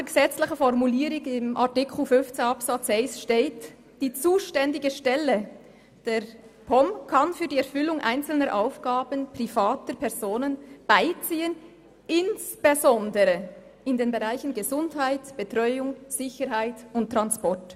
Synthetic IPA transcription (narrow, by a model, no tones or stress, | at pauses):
əɡəzɛt͡slɪçəfɔɾmuliːɾɪɡɪmʔa̰ʁtɪkʰl̩fʏnft͡seɑpsɑt͡sɛɪsʃteːt | d̥iːt͡suːʃtɛndɪɡəʃtɛlə | d̥eːɾpʰɔmkʰɑnfyːdiːɛɾfʏlʊŋʔa̰ɪnt͡sl̩nəɾʔaʊfɡ̥aːbənpʁ̥ifaːtəpʰɛʁz̥oːnənb̥aɪt͡siːən | ɪnsb̥ezɔndəɾə | ɪndeːnbeʁaɪçənɡəzʊndhaɪtb̥ətʁɔʏʊŋz̥ɪçəɾɦaɪtʊnt̚tʁɑnspɔɹt